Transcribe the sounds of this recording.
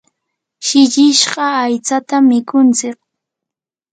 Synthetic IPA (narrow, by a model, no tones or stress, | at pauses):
ʃɪʎɪʃɢɑːjt͡sat̪amɪkʊnt͡sɪk̚